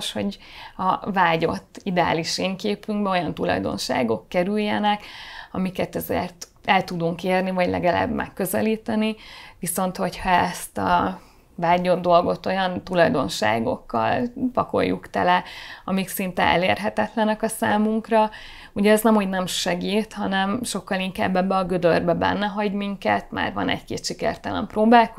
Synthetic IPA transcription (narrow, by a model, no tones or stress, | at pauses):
ʃho̞ɟɒvaːɟo̞t̪ːid̪ɛa̰ːliʃeːŋkeːpyŋɡbɛo̞jɒnt̪ulɒ̰jd̪o̞̰nʃa̰ːɡo̞kːɛɾyjːɛnɛkɒmikɛt̪ɛzḛrt̪ | ɛlt̪ud̪uŋkeːrnivɒɟlɛ̰ɡɛla̰bmɛ̰kːø̞zɛliːt̪ɛniʋiso̞nt̪ho̞chɒɛst̪ɒ̰ | baːɲːo̞nd̪o̞lɡo̞t̪o̞jɒnt̪ulɒjd̪o̞nʃa̰ːɡo̞̰kːɒ̰lpɒko̞̰jːukt̪ɛ̰lɛɒmiksint̪ɛ̰ʔɛ̰leːrɦɛt̪ɛt̪lɛnɛkɒsaːmuŋkrɒ | uɟɛːznɛmho̞ɟnɛmʃɛɡiːt̪hɒnɛmʃo̞kːɒliŋkaːbːɛbːɛɒɡød̪ørbɛbɛ̰nːɛɦɒɟmiŋkɛ̰t̪ma̰ːrvɒ̰nɛ̰ckḛːt̪ʃikɛ̰rt̪ɛlɛ̰mproːbaːlk